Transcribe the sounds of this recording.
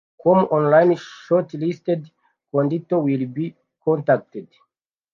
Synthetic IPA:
kʰɔmɔ̃nlãjnʃɔtlistɛd | kɔ̃nditowilbi | kʰɔ̃ntak̚ted

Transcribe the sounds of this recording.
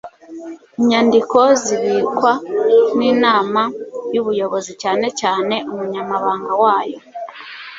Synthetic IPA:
iɲandiko̞ziβiːkwaniːnaːmajuβujo̞βo̞zicaːne̞caːne̞ʔumuɲamaβaːŋɡawaːjo̞

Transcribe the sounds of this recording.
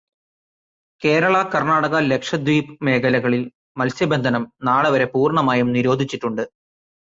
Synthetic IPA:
ke̞ːɾɐɭɐkɐrnaːɽɐɣɐle̞kʂɐd̪ʋiːpɨme̞ːɡɐlɐɣɐɭil | mɐlsjɐbend̪ʱɐnɐmnaːɭɐʋɐɾe̞puːrɳɐmaːjumniɾo̞ːd̪ʱit͡ɕːiʈːuɳɖɨ

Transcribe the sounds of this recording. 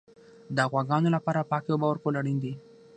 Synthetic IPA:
d̪əɣwaɡɑnolapɑɾapɑkewobɑwəɾkolaɽind̪i

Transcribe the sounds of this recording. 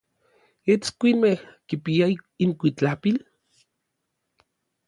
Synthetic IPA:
et͡skʷinmehkipiaiiŋkʷit͡ɬapil

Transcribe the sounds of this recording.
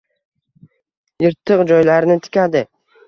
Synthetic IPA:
jɨɾt̪ʰːɨqd͡ʒɒjlaɾnɪt̪ʰɪ̥kʲad̪ɪ

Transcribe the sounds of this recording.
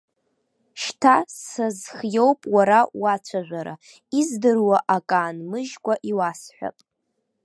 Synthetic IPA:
ʃtʰasazχjo̞wpʼwaɾawat͡ɕʷʰaʒᶣʷaɾa̰ | izdɨrwaʔakʼaːnmɨʒɡʷʼaʔiwasħʷᶣa̰pʼ

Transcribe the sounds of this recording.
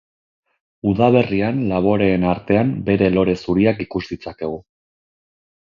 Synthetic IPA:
uðaβ̞e̞rianlaβ̞o̞ɾe̞ːnaɾt̪e̞ambe̞ɾe̞lo̞ɾe̞suɾiakikuzd̪it͡sake̞ɣ̞u

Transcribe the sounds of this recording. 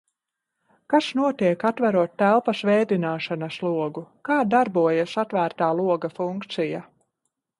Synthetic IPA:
kaʃnuɔt̪iɛkat̪væɾuɔt̪ːælˠpɐsvɛːd̪inaːʃanɐslˠuɔɡukaːd̪aɾbuɔjasat̪væːɾt̪aːlˠuɔɡafuŋkt̪sija

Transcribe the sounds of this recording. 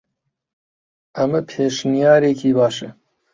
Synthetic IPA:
ɐmɨpʰeːʃnijɑːɾeːkʰiːbɑːʃɨ

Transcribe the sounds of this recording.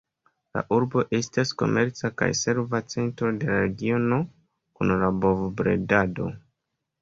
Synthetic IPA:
la̰ʔuɾbo̞ʔe̞stasko̞̰me̞ɾt͡saka̰jse̞ɾvat͡se̞ntɾo̞de̞laɾe̞ɡio̞no̞ | kunlabo̞vbɾe̞̰dado̞̰

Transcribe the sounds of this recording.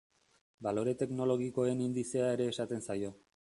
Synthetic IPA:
balo̞ɾe̞t̪e̞kno̞lo̞ɣ̞iko̞e̞nind̪ise̞ae̞ɾe̞ːsat̪e̞nsajo̞

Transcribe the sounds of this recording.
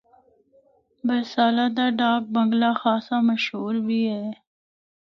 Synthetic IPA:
bɐsaːlad̪aɖɑːk̚bəŋɡlaxaːsaməʃɦuːɾbie

